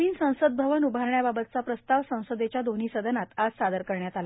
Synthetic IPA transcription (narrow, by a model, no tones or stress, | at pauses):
iːnsə̃w̃səd̪̚bʱəʋənubʱaɾɳjababət̪̚t͡sapɾəst̪aʋsə̃w̃səd̪et͡ɕjad̪oniːsəd̪ʱənat̪ad͡zsad̪əɾkəɾɳjat̪al